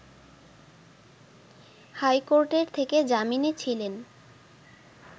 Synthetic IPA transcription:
hajkoɾʈeɾt̪ʰeked͡ʑaminet͡ɕʰilen

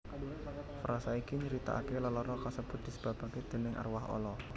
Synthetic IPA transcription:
fɾasaikiɲəɾit̪a̰a̰kelɔlɔɾɔkasəb̥ʊt̪̚d̥̪i̤sə̥b̥a̤b̥a̤ked̪̥e̤nɪŋʔa̰rwaɦɔ̰lɔ

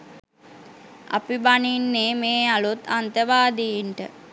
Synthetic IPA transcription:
a̰pibaninːeːmeːalut̪ant̪əʋaːd̪ejiɳʈə̰

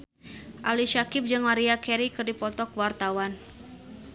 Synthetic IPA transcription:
ʔaliʃakɪp̚d͡ʒɨŋmaɾiakɛɾikɨrdipɔt̪ɔkəwart̪awan

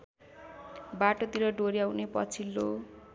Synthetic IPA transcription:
baʈot̪iɾʌɖoɾiawnepʌ̰t͡sʰilːo

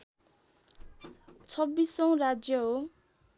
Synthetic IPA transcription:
t͡sʰʌbːisʌw̃ɾad͡zjʌɦo

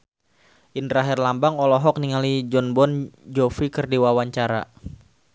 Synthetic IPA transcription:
ʔindɾaɦɛrlambaŋɔlɔɦɔk̚niŋalid͡ʒɔnbɔnd͡ʒɔfikərdiwawaɲt͡ʃaɾa̰

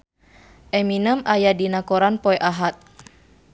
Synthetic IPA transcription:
ʔɛminəmajadinakɔɾanpɔɛʔaɦat̪̚

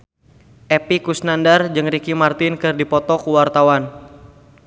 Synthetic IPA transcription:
ʔɛpikusnandard͡ʒɨŋrikimart̪ɪnkɨrdipɔt̪ɔkuwart̪awan

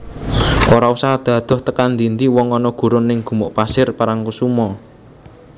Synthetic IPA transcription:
ʔoɾausaɦad̪̥ä̤d̪̥ɔ̤ht̪əkand̪int̪iwɔŋɔnɔɡ̥ṳɾʊnːɪŋɡ̥ṳmɔʔpasɪrpaɾaŋkusumɔ

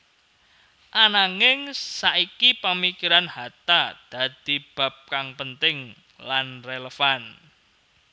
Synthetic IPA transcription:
ʔanaŋɪŋsaʔikipəmikiɾanhat̪ad̪̥a̤d̪̥i̤b̥a̤p̚kaŋpənt̪ɪŋ | lanreləfan

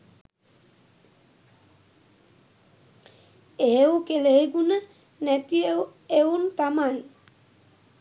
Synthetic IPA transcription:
ewkeleeɡunə | nɛt̪ieweunt̪aman

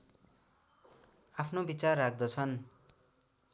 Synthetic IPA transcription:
apʰnobit͡sarːak̚ʰd̪ʌt͡sʰʌn

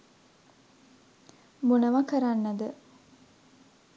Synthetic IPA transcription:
munəʋɐkəɾanːɐd̪ə

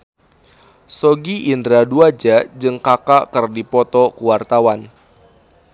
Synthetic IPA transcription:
soɡiʔindɾaduad͡ʒaʔd͡ʒɨŋkakaʔkɨrdipɔt̪ɔkuwart̪awan

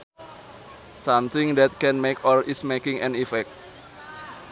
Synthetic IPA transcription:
sãmt̪ɪŋd̪ɛt̪̚kɛ̃nmekɔlismekɪ̃ŋʔɛ̰̃nifɛk̚t̚

